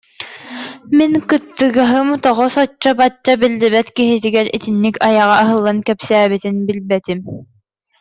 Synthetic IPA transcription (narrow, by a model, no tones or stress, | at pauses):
minkɯt̪ːɯɡaɦɯmut̪aʁɔsɔt͡ɕːabat͡ɕːabild̪ɛβɛt̪kiɦit̪iɡɛɾḭt̪inːikɑjɑʁɑːɦɯ̆lˠːɑnkɛpsæːβit̪ɘnbilbɛt̪im